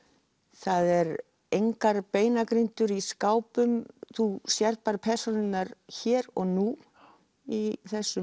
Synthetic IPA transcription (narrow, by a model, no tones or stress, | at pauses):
θaðɛɾ | ejŋkaɾpeːjnakɾint̪ʏɾiskaːwpʏmθusjɛɾ̥t̪̚paɾpʰɛɾ̥sɔnɪnaɾçɛːɾɔɣnu | iθɛsːʏ